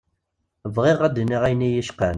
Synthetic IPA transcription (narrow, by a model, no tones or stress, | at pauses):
vʁɪʁæd̪niʁæjnijəʃqən